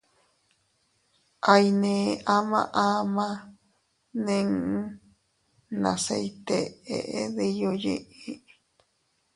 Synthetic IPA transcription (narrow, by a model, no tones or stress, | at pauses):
ʔajnẽʔamã̰ʔamã | nẽŋ̩ | na̰sejt̪eḛʔeðejojḛ̃ʔi